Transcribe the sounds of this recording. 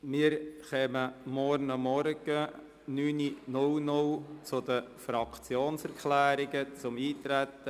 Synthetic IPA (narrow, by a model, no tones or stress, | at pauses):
mɪːəɾχɛməmɔɾnəmɔɾɡ̥ə | nyːninʊlnʊlt͡sʊd̪əfɾɑkt͡sjoːnsɛɾkχlæːɾɪɡət͡sʊmiːt̪ɾæt̪ːə